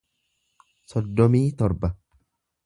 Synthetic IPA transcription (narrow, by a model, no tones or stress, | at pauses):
sɔd̪ːɔmiːt̪ɔɾbɐ